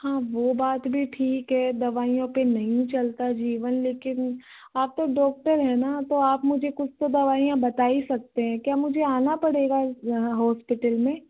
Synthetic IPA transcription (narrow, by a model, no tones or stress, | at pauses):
hãːʋoːbaːt̪bʱiʈʰiːkɦɛːd̪ɐʋaːijõpenɐɦĩt͡ʃɐlt̪ad͡ʒiːʋənleːkɪn | aːp̚t̪oɖɔːk̚ʈəɾɦɛnat̪oaːpmʊd͡ʒʱekʊt͡ʃʰt̪od̪ɐʋaːijãbɐt̪aːisɐk̚t̪eɦɛ̃kjaːmʊd͡ʒʱeaːnapɐɽeːɡaɦɔːspɪʈəlmẽː